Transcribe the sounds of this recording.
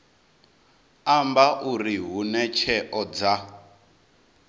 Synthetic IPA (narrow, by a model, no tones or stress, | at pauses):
ambaʔuriɦunɛt͡ʃʰɛʔɔd͡za